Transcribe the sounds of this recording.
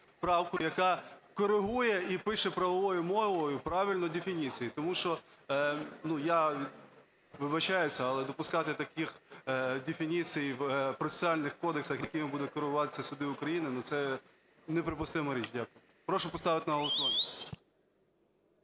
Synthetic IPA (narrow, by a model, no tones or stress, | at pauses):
pɾɑwkʊjɐkɑkɔɾɪɦujɛipɪʃɛpɾɐʋɔʋɔjʊmɔʋɔjʊpɾɑʋʲilʲnɔdʲefʲinʲit͡sʲijit̪ɔmuʃt͡ʃɔ | nuja | ʋɪbɐt͡ʃɑjʊsʲɐɐlˠɛd̪ɔpʊskɑt̪ɪt̪ɐkʲixdʲefʲinʲit͡sʲijwpɾɔt͡s̪ʲe̥t͡sʲɪɑlʲnɪxkɔd̪eksɐxjɐkʲɪmɪbud̪ɛkɔɾɪɦʊʋɑt̪ɪ̥sʲːɐsʲʊd̪ɪʊkɾɐjinɪnut̪sɛ | nɛpɾɪpʊst̪ɪmɔɾʲit͡ʃdʲakʊjʊ | pɾɔʃʊpɔst̪ɑʋɪt̪ɪnɐɦɔlˠɔsʊʋanʲ